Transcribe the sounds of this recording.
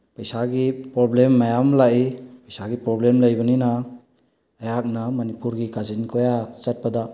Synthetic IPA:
pɐjsaɡipɾoblemːajamlaʔipəjsaɡipɾoblemləjbɐninaː | jak̚namɐnipuɾɡikazinkʰojat͡ʃat̚pada

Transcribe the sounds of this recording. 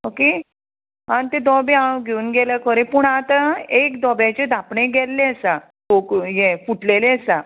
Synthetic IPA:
oke | anit̪ed̪ɔbẽãɡʱeunɡɛlakʰɔɾepuːɳat̪aekd̪ɔbjat͡ɕed̪ʱapɳẽɡɛlːeəsa | tokjefuʈleleəsa

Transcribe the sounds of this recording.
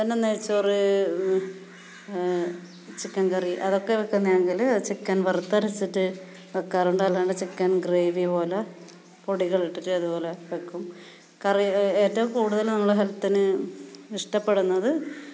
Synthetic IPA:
t̪ɐnːenːeɻit͡ɕːɐoru | t͡ɕikːankɐriʔɐðo̞kːe̞ʋekːunːjeŋɡilt͡ɕekːaːnʋɐrt̪ːɐɾɐt͡ɕːitːɨ | ʋɐkːaːruɳɖɐlːaːɳɖɨt͡ɕikːaːnɡre̞ːʋipo̞ːlɐ | poɽiɣɐɭiʈːitːɨɐðupo̞ːleʋekːum | kɐrie̞ːtːɐʋumkuːɽuðɐlnɐmːɐɭeɦɐlɐt̪ːinɨiʂʈɐpːe̞ɽunːɐðɨ

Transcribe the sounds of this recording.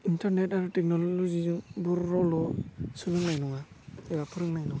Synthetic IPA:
intaɾnɛtaɾɯtɛk̚nɔllɔzibuɾːɔwlɔsulɯŋnajnuŋa | ɛbapʰɯɾɯŋnajnuŋa

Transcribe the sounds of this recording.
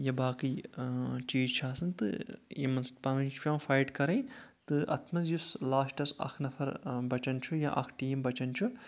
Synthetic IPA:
jɐbaːki | t͡ʃiːzt͡ʃʰaːsɐnt̪ɨ̰jemɐnspɐʋɐnt͡ʃʰpʲaːfajʈkɐɾɐjt̪ɨʔɐ̰t̪ʰmɐzjuslaːsʈɐsɐ̰kʰnɐfʰɐɾbɐt͡ʃɐnt͡ʃʰujɐʔɐ̰kʰʈiːmbɐt͡ʃɐnt͡ʃʰu

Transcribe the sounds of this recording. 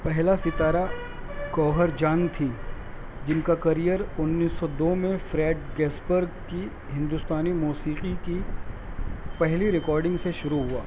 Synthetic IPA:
pɛɦlasɪt̪aːɾa | kɔːɦəɾd͡ʒaːnt̪ʰi | d͡ʒɪnkakɐɾijəɾʊnːiːsːɔd̪oːmẽfɾɛːʈ̚ɡɛːsbəɾɡki | ɦɪ̃nd̪ʊst̪aːnimuːsiːqiki | pɛɦliɾɪkɔːɾɖɪ̃ŋɡseʃʊɾuɦʊaː

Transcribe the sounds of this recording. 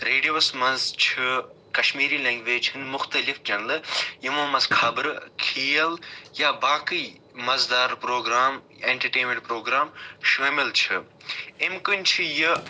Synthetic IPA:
ɾeːɖijosmɐnzt͡ʃʰi | kɐʃmiːɾiːlẽːŋɡʋeːt͡ʃʰɨnmʊxt̪ɐlifd͡ʒɐnlɨjimɐːmɐzkʰabɾkʰiːjɐljaːbaːki | mɐzd̪aːɾpɾoːɡɾaːm | eːɳʈɐɾʈeːmẽɳʈpɾoːɡɾaːmʃeːmilt͡ʃʰɨ | emkɨnʲt͡ʃʰijɨ

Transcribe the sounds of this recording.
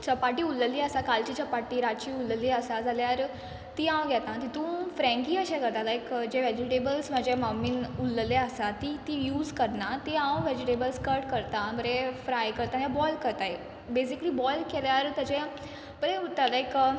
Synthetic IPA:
t͡ɕəpaʈiːulːəliːəsakalt͡ɕiːt͡ɕəpaʈiːɾat͡ɕiːulːəlːiːəsad͡zaljaɾ | t̪iːãwɡʱɛt̪ãt̪it̪ũfɾɛ̃ŋkiːəɕekəɾt̪alaekd͡ʑeʋɛd͡ʑiʈebəlsm̤əd͡ʑemamiːnuləleəsat̪iːt̪iːjuːzkəɾnat̪iãwʋɛd͡ʑiʈebəlskəɾʈkəɾt̪aməɾefɾajkəɾt̪ajabɔjlkəɾt̪ae | bes̬ikliːbɔjlkeljaɾt̪jad͡ʑẽ | pəɾeut̪alaek

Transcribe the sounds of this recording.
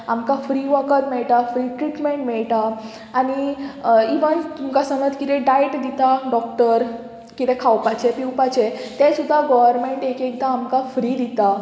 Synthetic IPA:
amkafɾiʋəkət̪mɛɭʈ̪afɾiʈɾiʈmeɳʈmɛɭʈ̪aː | ñi | iʋənt̪umkasəŋəd̪kit̪ɛ̃ɖajʈd̪it̪aɖɔkʈəɾ | kit̪ɛkʰawpat͡ɕɛpiwpat͡ɕet̪ɛ̃sud̪ʱːaɡɔʋəɾmeɳʈekek̚t̪aːmkafɾid̪it̪a

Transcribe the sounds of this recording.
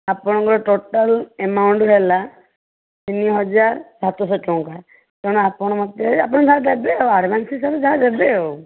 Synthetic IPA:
apɔɽ̃ɔŋkɔɾɔʈoʈɔlemawɳɖɦela | t̪iniɦɔd͡ʒaɾsat̪ɔs̬ɔʈɔ̃ŋka | keɽ̃ɔapɔɽ̃ɔmɔt̪eapɔɽ̃d͡ʒad̪ebeoaɾmansisɔbd͡ʒaad̪ebeo

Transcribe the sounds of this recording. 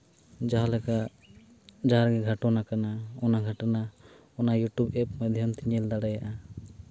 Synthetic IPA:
d͡ʒaɦalɛka | d͡ʒaɦaɾɡɛɡʱaʈɔnakanaɔnaɡʱaʈana | ɔnajuʈubɛp̚mad̪ʱjamt̪iɲɛld̪aɽajaʔa

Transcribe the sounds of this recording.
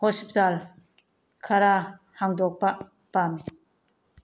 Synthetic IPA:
hɔspital | kʰaɾa | haŋdɔk̚pɐ | pami

